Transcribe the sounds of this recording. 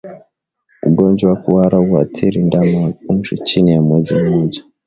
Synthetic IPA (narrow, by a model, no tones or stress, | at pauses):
uɡoɲd͡ʒowakuwaɾauwatʰiɾindamaunʒit͡ʃinijamwed͡zimod͡ʒḁ